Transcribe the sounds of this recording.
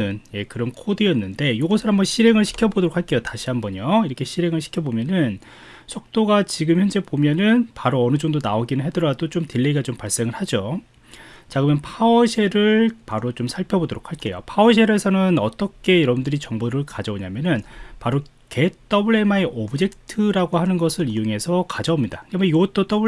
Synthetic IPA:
ɯnje̞kɯɾʌnkʰodijʌnːɯnde̞joɡʌsʰɯnɦambʌnɕʰiɾe̞ŋɯɭɕʰi̥kʰjʌbodoɾokʰaɭk͈e̞jotaɕʰiɦambʌɲoiɾʌkʰe̞ɕʰiɾe̞ŋɯɭɕʰi̥kʰjʌbomjʌnɯn | sʰok̚t͈oɡat͡ɕiɡɯmçjʌnd͡ʑe̞bomjʌnɯnpaɾoʌnɯd͡ʑʌŋdonaoɡinɯɭɦe̞dɯɾadot͡ɕomtiɭːeiɡat͡ɕompaɭs͈e̞ŋɯɭhad͡ʑo | t͡ɕaɡɯmjʌnpʰaʌɕʰe̞ɾɯɭpaɾot͡ɕomsʰaɭpʰjʌbodoɾokʰaɭk͈e̞jo̰pʰaoɕʰe̞ɾe̞sʰʌnɯnʌt͈ʌkʰe̞jiɾʌbundɯɾit͡ɕʌŋbuɾɯɭkad͡ʑʌoɲamjʌnɯnpaɾo | ke̞t͈ʌbɯɭe̞maeʔʌbɯd͡ʑe̞k̚tʰɯɾaɡohanɯnɡʌsʰɯɾiuŋe̞sʰʌkad͡ʑʌomɲidaɡmʌjoɡt͈ot͈ʌb

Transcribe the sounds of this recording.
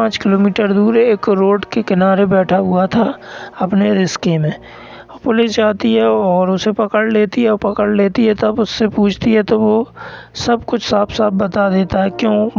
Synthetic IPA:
ãːt͡ʃkɪloːmiːʈəɾd̪uːɾeːkɾoːɖkekɪnaːɾebɛːʈʰaɦʊat̪ʰaɐpneɾɪskemẽː | pʊlɪsd͡ʒaːt̪iɦɛɔːɾʊsepɐkəɽleːt̪iɦɛɔpɐkəɽleːt̪iɦɛt̪ɐbʊsːepuːt͡ʃʰt̪iɦɛt̪oʋosɐbkʊt͡ʃʰsaːbsaːbbɐt̪ad̪eːt̪aɦɛkjõː

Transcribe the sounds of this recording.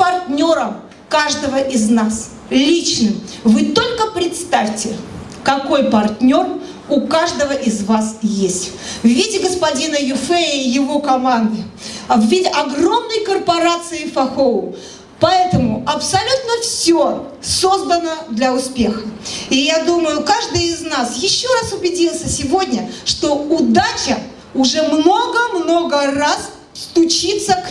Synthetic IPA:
pɐrt̪ʲnʲo̞ɾəm | kaʐd̪əvəʔɪznas | lʲit͡ɕnɨmvɨt̪o̞lʲkəpɾʲɪt̪st̪afʲtʲɪ | kɐko̞jpɐrtʲnʲo̞r | ʊkaʐd̪əvəʔɪzvasjesʲtʲvvʲidʲɪɡəspɐdʲinəjʊfɛjɪvokɐmand̪ɨɐvvʲidʲɪʔɐɡro̞mnəjkərpɐɾat̪sɨɪfɐxoʊ | pɐɛt̪əmʊɐpsɐlʲut̪nəfsʲo | so̞zd̪ənəd̪lʲɐʊspʲe̞xəɪjad̪uməjʊkaʐd̪ɨjɪznasjɪɕːo̞ɾasʊbʲɪdʲilˠsʲəsʲɪvo̞dʲnʲəʂt̪o̞ʊd̪at͡ɕɪ | ʊʐɛmno̞ɡəmnoɡəras | st̪ʊt͡ɕit̪sək

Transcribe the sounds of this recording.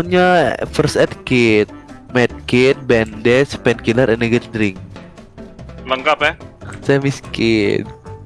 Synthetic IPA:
nɲafərsɛt̪̚kɪt̪̚mɛt̪̚kɪt̪̚bɛndɛspɛnkiləɾʔɛnɛɡətdɾɪŋ | ləŋkapɛsajamiskɪn

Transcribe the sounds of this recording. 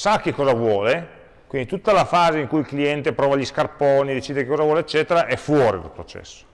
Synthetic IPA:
sakːekːɔːzavwɔːle | kwind̪it̪ut̪ːalafaːzeiŋkujilkliɛnt̪epɾɔːvaʎiskarpɔːnid̪et͡ʃiːd̪ekekɔːzavwɔleet͡ʃːɛːt̪eɾaʔɛfwɔːɾid̪a̰lpɾot͡ʃɛ̰sːo̥

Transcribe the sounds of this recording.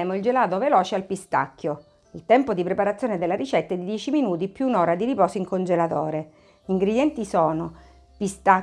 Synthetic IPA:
moild͡ʒelaːt̪ovelɔːt͡ʃealpist̪a̰kːjo | ilt̪ɛmpod̪ipɾepaɾat̪sːjoːned̪elːaɾit͡ʃɛt̪ːaeɛd̪id̪jɛːt͡ʃiminuːt̪̬ipːjunoːɾad̪iɾipɔːsoiŋkond͡ʒelat̪oːɾe | iŋɡɾed̪jɛnt̪isɔːno | pist̪a

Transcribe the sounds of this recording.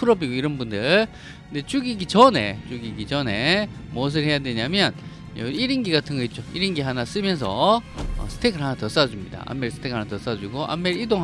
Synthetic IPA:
pʰuɾʌbiɡoiɾʌnbundɯɭ | kɯnde̞t͡ɕuɡiɡit͡ɕʌne̞̰t͡ɕuɡiɡit͡ɕʌne̞mos̬ʰɯɭɦe̞jadwe̞ɲamjʌn | jʌiɾinɡiɡatʰɯŋɡʌt̚t͡ɕ͈oiɾinɡiɦanas͈ɯmjʌnsʰʌ̰ʌ̰sʰɯ̥tʰeɡʰɯɭɦanatʌs͈ad͡ʑumɲida̰ʔa̰mːeɭsʰɯ̥tʰekʰanatʌs͈ad͡ʑuɡoʔa̰mːeɾidoŋ

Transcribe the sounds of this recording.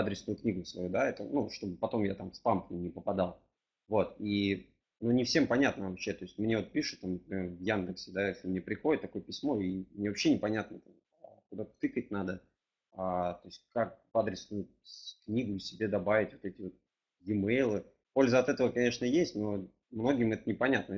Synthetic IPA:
ad̪ɾʲɪsnʊjʊknʲiɡʊsvɐ̰jud̪aɛt̪ənuʂt̪o̞bɨpɐt̪o̞mjat̪amspamknʲɪnʲɪpəpɐd̪ɑlˠ | vo̞t̪i | nonʲɪfsʲe̞mpɐnʲat̪nəvɐpɕːe̞t̪o̞ɪsʲtʲmnʲeo̞t̪̚pʲiʂʊ̥t̪t̪ːamnəpɾʲɪmʲervjand̪ɨksʲɪd̪ajesʲlʲɪmnʲepɾʲɪxo̞dʲɪt̪t̪ːɐko̞jəpʲɪsʲmo̞imnʲe̞vɐpɕːe̞nʲɪpɐnʲat̪nət̪am | akʊd̪at̪t̪ɨkət̚ʲnad̪ə | at̪o̞ɪsʲt̚ʲkak̚vad̪ɾʲɪsnʊjʊ | knʲiɡʊsʲɪbʲe̞d̪ɐbavʲɪtʲvo̞t̪ɛtʲɪvo̞t̪̚ | jɪmejlˠɨ | po̞lʲzəɐt̪ɛt̪əvəkɐnʲe̞ʂnəjesʲtʲno̞ | mno̞ɡʲɪmɛt̪ənʲɪpɐnʲat̪nə

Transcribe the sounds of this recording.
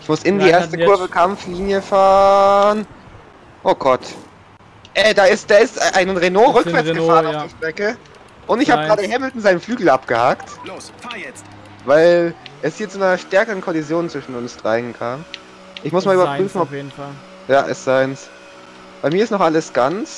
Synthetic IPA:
ʔɪçmʊsɪndiːʔeːɐstəʊɐvəkʰamfliːnjəfaːʁʁən | ʔoːɡ̥ɔt | ʔɛːdaːɪstd̥aːɪstʔaɪnʁenoːʁʏkv̥ɛɐsɡ̥əfaːʁənaʊd̥iɐʃtʁ̥ɛkə | ʔʊntɪçhaːəɡʁaːdəhɛml̩tn̩zaɪnənflyːɡl̩apɡ̥əhaktlosfajɛ | vaɪlʔɛshiːɐt͡sunɐʃtɛɐkəʁənkʰɔlizjoːnt͡sv̥ɪʃn̩ʊnsd̥ʁ̥aɪnkʰaːm | ʔɪçmʊsmaːlʔyːbɐpʁyːfn̩ɔpːl | jaːʔɛ̰sz̥aɪns | b̥aɪmiɐɪstnɔχʔaləsɡ̥ant͡s

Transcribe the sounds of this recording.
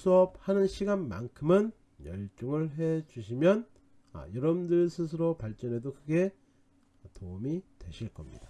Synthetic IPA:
s͈uʌp̚hanɯnɕʰiɡanma̰nkʰɯmɯn | jʌ̰ɭt͡ɕ͈oŋɯɭɦe̞t͡ɕuɕ̬ʰimjʌn | ʌ̰jʌɾʌbndɯɾsʰɯs̬ʰɯɾopaɭt͡ɕ͈ʌne̞dokɯɡe̞ | toumitwe̞ɕʰiɭk͈ʌmɲḭd̥ḁ

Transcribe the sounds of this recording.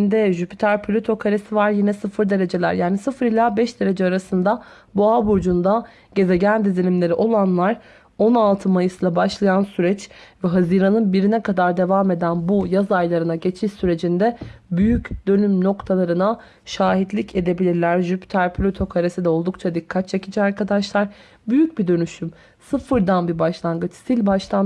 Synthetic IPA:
nd̪ɛʒypi̥t̪ʰæɾpʰlʲot̪ʰo̞kʰaɾesivaɾjinɛsɯfɯɾd̪e̞ɾe̞d͡ʒe̞lʲæ̰ɾjaːnisɯfɯɾilʲaːbɛʃd̪e̞ɾe̞d͡ʒɛaɾasɯnd̪a | buabuɾd͡ʒund̪a | ɟe̞ze̞ɟænd̪izilʲimlʲe̞ɾiʔo̞lˠanlˠaɾ | o̞nalˠt̪ʰɯmajɯslˠabaʃlˠajansyɾɛt͡ʃvɛɦazɯːɾanɯnbiɾinɛkʰad̪aɾd̪e̞vaːme̞d̪ænbujazajlˠaɾɯnaɟe̞t͡ʃʰiʃsyɾe̞d͡ʒind̪ɛ | byjycd̪ø̞nymno̞kt̪ʰalˠaɾɯna | ʃaːɦid̪lʲicʰe̞d̪e̞bilʲiɾlʲæɾʒypt̪ʰæɾpʰlʲot̪ʰo̞kʰaɾesid̪ɛo̞lˠd̪ukt͡ʃʰad̪ikʰːat̪̚t͡ʃʰe̞cʰid͡ʒɛaɾkʰad̪aʃlˠaɾ | byjyc̚bid̪ø̞nyʃym | sɯfɯɾd̪anbibaʃlˠaŋɡɯt͡ʃsilʲbaʃlˠan

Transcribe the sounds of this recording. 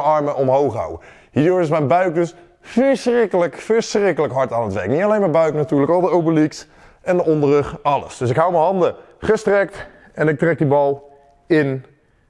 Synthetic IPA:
ɑɹməʔɔmɦowχɦa̰wə̰ | ɦiːəɹdʊːɹɪsmɛnbœɥk̚dɵs | fəɹsrɪkələkfəɹsrɪkələkɦɑɹtaːnətʋɛ̰ɹknitalejnmabœɥknatyːɹləkɑlˠdəowpəliks | ɛndəʔɔndərəχɑlə̰sd̥ɵsɪkɦawməɦɑndə | χəstrɛk̚t | ɛnɪk̚trɛk̚dibɑlˠ | ɪn

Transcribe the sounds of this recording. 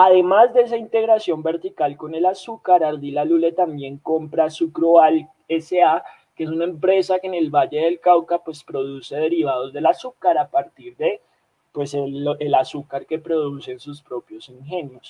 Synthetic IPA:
aðe̞mazd̪e̞es̬aint̪e̞ɣɾasjo̞mbe̞ɾt̪ikalko̞ne̞lasukaɾaɾd̪ilalule̞t̪ambje̞ŋko̞mpɾasukɾoal | esea | kees̬unaempɾe̞sakene̞lβaʝe̞ðe̞lkawkapwe̞spɾo̞ð̞use̞ð̞e̞ɾiβ̞aðo̞zd̪e̞lasukaɾapaɾt̪iɾd̪e̞ | pwe̞seelasukaɾke̞pɾo̞ð̞use̞nsuspɾo̞pjo̞siŋxe̞njo̞s

